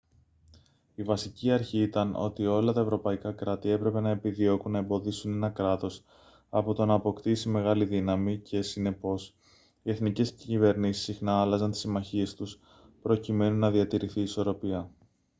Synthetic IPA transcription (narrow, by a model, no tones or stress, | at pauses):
ivɐsiciɐɾçiit̪ɐno̞̰t̪io̞lɐt̪ɐe̞vɾo̞pɐikɐkɾɐt̪ie̞pɾe̞pe̞nɐepiðio̞kunːɐe̞mbo̞ðisune̞nɐkɾɐt̪o̞s | ɐpo̞t̪o̞nɐːpo̞kt̪isime̞ɣɐliðinɐmicʰe̞sine̞po̞s | ie̞θnice̞scive̞ɾnisi̥sːixnɐɐlɐzɐnt̪i̥simɐçie̞st̪us | pɾo̞cime̞nunːɐðiɐt̪iɾiθiːso̞ɾo̞piɐ